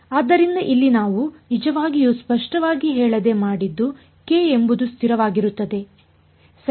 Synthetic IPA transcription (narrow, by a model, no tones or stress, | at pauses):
aːd̪ːɐɾind̪ɐʔilːinaːʋunid͡ʒɐʋaːɡijuspɐʂʈɐʋaːɡiɦɛːɭɐd̪e̞maːɽid̪ːu | ke̞embud̪ust̪ʰiɾɐʋaːɡiɾut̪ːɐd̪e̞ | s